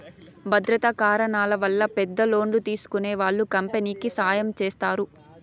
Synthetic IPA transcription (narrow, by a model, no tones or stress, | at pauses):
bʱɐd̪ɾɐt̪ɐkaːɾɐnaːlɐʋɐlːɐpɛd̪ːɐlo̞ːɳlut̪iːsu̥kune̞ːʋaːɭːukɐmpeniːkisaːjɐmt͡ʃeːst̪aːɾu